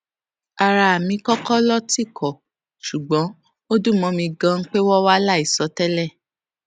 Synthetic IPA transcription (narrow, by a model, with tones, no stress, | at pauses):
a˨ɾa˧a˨mĩ˧kɔ˦kɔ˦lɔ˦ti˦˨kʰɔ˨ | ʃu˨ɡ͡bɔ̃˨˦ | o˦dũ˦˨mɔ̃˧mĩ˧ɡã˧ŋ̩˦k͡pe˦wɔ˦wa˦la˦i˦˨sɔ˨˦tɛ˦lɛ˦˨